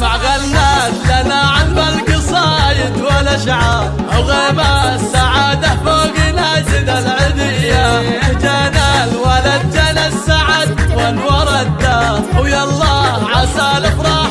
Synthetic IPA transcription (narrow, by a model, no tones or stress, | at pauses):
maʕɣalːatlanaʕalbalkɨsˤɑːjɪd̪walaʃʕa | ʔawɣemasaʕaːd̪aħfoːɡɪnad͡ʒɪnalʕɪd̪ɪjːad͡ʒanalwalad̪̚d͡ʒanasaʕad̪walwɑɾˤɑt̪ːawjɑlˤːɑːʕasalɪfɾˤɑː